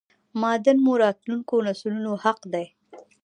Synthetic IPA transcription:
mɑd̪ənmoɾɑt̪luŋkonaslunohaqd̪aj

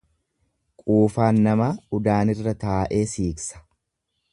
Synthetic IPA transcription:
kʼuːfaːnːɐmɐʊd̪aːnɪrːɐt̪aːʔe̞ːsiːksɐ̥

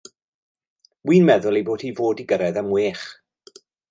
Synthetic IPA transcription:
wiːnmɛðʊlˠiboːd̥hiːvoːdiɡəɾɛðamweːχ

